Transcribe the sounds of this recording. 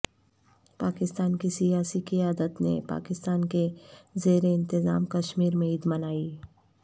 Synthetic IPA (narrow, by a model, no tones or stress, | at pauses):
paːkɪst̪aːnkisijaːsikijaːd̪ət̪nḛpa̰ːkɪst̪aːnkezeːɾeɪ̃nt̪ɪza̰ːmkɐʃmiːɾmẽid̪mɐnaːi